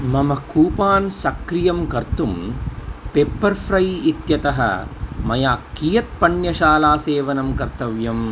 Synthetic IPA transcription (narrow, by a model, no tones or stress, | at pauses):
mɐmɐkuːpaːnsɐkɾijɐmkɐɾt̪um | peːpːɐɾfʰɾɐjit̪jɐt̪ɐɦɐ̰mɐjaːkːiːjɐt̪̚pɐɳjɐʃaːlaːseːʋɐnɐmkɐɾt̪ɐʋjɐm